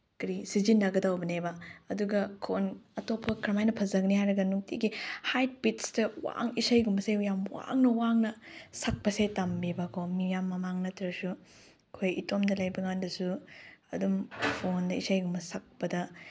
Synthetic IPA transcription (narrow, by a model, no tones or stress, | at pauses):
kɾisizinːɐɡɐdawbɐnebɐɐduɡɐkʰonɐtopʰːɐkʰɾɐmajnɐpʰɐzɐɡnihajɾɐɡɐnuŋtʰiɡihajt̚pitstɐwa̰ŋisajɡumɐseujamwa̰ŋnɐwaŋnɐsɐk̚pɐsetambibɐkʰomijamːɐmaŋnɐtɾɐsu | kʰojitomdɐlɐjbɐŋandɐsuɐdumpʰondɐisajɡumɐsak̚pɐdɐ